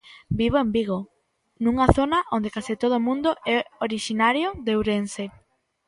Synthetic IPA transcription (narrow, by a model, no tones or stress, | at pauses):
biβ̞oembiɣ̞o | nuŋaθonɐʔond̪ekasit̪oð̞omũnd̪oʔɛoɾiʃinaɾjoðewɾense